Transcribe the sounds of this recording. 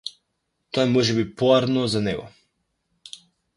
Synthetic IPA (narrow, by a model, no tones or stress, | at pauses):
t̪ɔɛmɔʒɛbipɔaɾnɔzanɛɡɔ̰